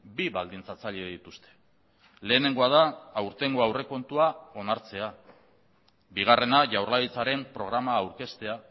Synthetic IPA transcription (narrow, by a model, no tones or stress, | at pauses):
biβald̪int͡sat͡saʎe̞ðit̪ust̪e̞̥ | le̞ːne̞ŋɡo̞aðaːwɾt̪e̞ŋɡo̞awre̞ko̞nt̪uao̞naɾt͡se̞a | biɣ̞are̞naʝawrlaðit͡saɾe̞mpɾo̞ɣ̞ɾamaːwɾke̞st̪e̞a